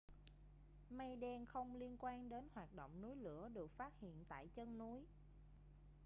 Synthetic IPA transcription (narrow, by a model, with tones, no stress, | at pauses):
ma˧jɗɛ˧nxə˧wŋ͡mli˧ənkwaː˧nɗe˨˦nhwaː˨˩t̚ɗo̰˧˨wŋ͡mnu˨˦jlɨ̰˧˥əɗɨ˨˩ək̚faː˦˥t̚hḭ˧˨ənt̪a̰ː˧˨jt͡ɕə˧nnu˨˦j